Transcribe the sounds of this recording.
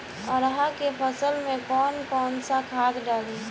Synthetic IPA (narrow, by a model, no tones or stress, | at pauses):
ɔɾɦakepʰəsəlmẽkɔːnkɔːnsakʰaːt̪ɖaːl